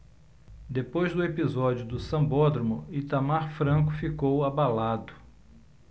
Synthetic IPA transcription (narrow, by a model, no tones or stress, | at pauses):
d̪epojzd̪ʊepizɔd͡ʒiʊd̪ʊsɐ̃bɔd̪ɾomʊit̪amaɾfɾɐ̃kʊfikowabalad̪ʊ